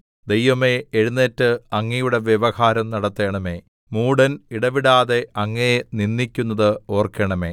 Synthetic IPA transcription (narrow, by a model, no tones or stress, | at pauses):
d̪ejʋɐmeːɻunːetːɨɐŋːɐjuɽe̞ʋjeʋɐhaːɾɐmnɐɽɐt̪ːe̞ːɳɐme̞ː | muːɽɐniɽɐʋiɽaːðe̞ɐŋːɐjeninːikʲːunːɐðɨo̞ːrkɐɳɐme̞ː